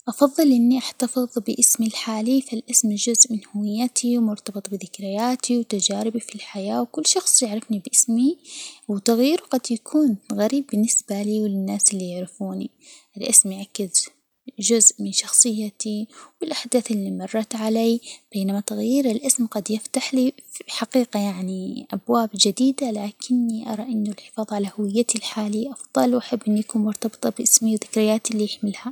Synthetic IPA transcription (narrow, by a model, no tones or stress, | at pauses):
ʔɑfɑðˤːɨlʔɪnːiʔaħt̪ɑfɨðˤbɪʔɪsmilħaːlifalʔɪsmʒʊzʔmɪnhʊwɪjːat̪ʰiwmʊɾt̪ɑbɨt̪ˤbɪðɪkɾɪjaːt̪ʰiwt̪ad͡ʒaːɾɪbifilħajaːwkʊlːʃɑxsˤjɪʕɾɪfnibʔɪsmiwɪt̪aɣjiːɾuɡɑd̪jakʰuːnɣaɾiːbːɪnːɪsbaliːwɪlɪnːaːsɪlːijɪʕɾɪfuːni | ʔɪlʔɪsmjaʕakːɪz | ʒʊzʔmɪnʃɑxsˤɨjːat̪iwɪlʔaħd̪aːθɪlːimɑrˤːɑt̪ʕalaːb̥eːnamat̪aɣjiːɾɪlʔɪsmqɑd̪jɪft̪aħliħaqiːqajaʕniʔabwaːbd͡ʒɪd̪iːd̪alaːkʰɪnːiʔɑ̰ɾˤɑʔɪnːʊlħɪ̥fɑːðˤʕalahʊwɪjːat̪ilħaːliʔɑfðˤɑlwʔaħabːʔɪnːujakuːnmʊɾt̪ɑbɨ̥t̪ˤɑbʔɪsmiwðɪkɾɪjaːt̪lːijɪħmɪlha